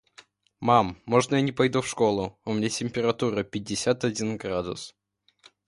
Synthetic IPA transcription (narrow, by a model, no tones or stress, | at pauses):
mamːoʐnəjanʲɪpɐjd̪ufʂko̞lˠʊʊmʲɪnʲatʲɪmʲpʲɪɾɐt̪uɾəpʲɪdʲːɪsʲat̪ɐdʲinɡɾad̪ʊ̰s